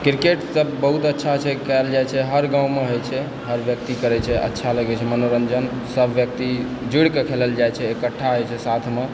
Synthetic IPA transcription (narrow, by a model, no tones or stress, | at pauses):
kiɾkeʈsəbːəɦut̪ətːʃʰat͡ʃʰɛkald͡ʒajt͡ʃʰɛɦəɾɡãũmeɦojt͡ʃʰɛ | ɦəɾbjək̚t̪ikəɾɛt͡ʃʰɛʔə̰tːʃʰaləɡɛt͡ʃʰɛmənoɾənd͡ʒən | səbʱʋjək̚t̪i | d͡ʒuɽkekʰeləld͡ʒajt͡ʃʰɛekəʈʰːaɦojt͡ʃʰɛsat̪ʰme